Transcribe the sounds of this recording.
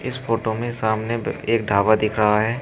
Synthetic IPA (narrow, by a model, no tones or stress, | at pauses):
ɪsfoːʈomẽsaːmneeːk̚ɖʱaːʋad̪ɪkʰɾɐɦaɦɛː